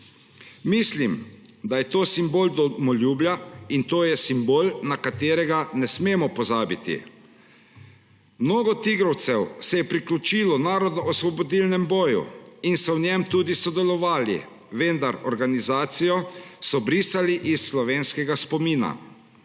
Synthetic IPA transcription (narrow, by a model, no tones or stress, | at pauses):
mislim | d̪ajɛt̪oːsimboːld̪ɔmɔljuːbljaint̪oːjɛsimboːlnakat̪eːɾɛɡanɛsmeːmɔpɔzaːbit̪ḭ | mnoːɡɔt̪iɡɾɔwt̪sɛwsɛjɛpɾiklʲut͡ʃiːlɔnaːɾɔd̪nɔɔsʋɔbɔd̪ilnɛmbɔːjṵinsɔwnɛmt̪uːd̪isɔd̪ɛlɔʋaːlḭ | ʋend̪aɾɔɾɡanizaːt̪sijɔsɔbɾiːsaliʔisːlɔʋeːnskɛɡaspɔmiːna̰